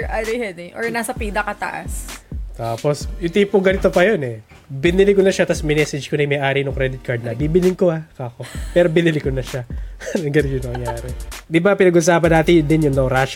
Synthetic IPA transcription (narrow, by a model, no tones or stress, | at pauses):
ʔad̪ɐhɛd̪ɛʔɔɹnaːsɐpiːd̪ɐkɐt̪ɐ̰ʔɐ̰st̪aːpo̞sɪt̪iːpoŋɡɐnɪt̪o̞pɐjonɛ | bɪnɪlɪkonɐʃat̪ɐsmɪnɛsɛd͡ʒkonɐjmɐjʔaːɾinʊŋkɾɛd̪ɪt̪̚kaɹd̪̚nɐbiːbɪlɪŋkoakako̞pɛːɾobɪnɪlɪkonɐʃanɐɡɐnɪʊnɐmɐŋjaːɾɛd̪ɪbapɪnɐɡʔʊs̬aːpɐnaːt̪ɪnjʊnd̪ɪnjʊŋnɐwɾaːʃ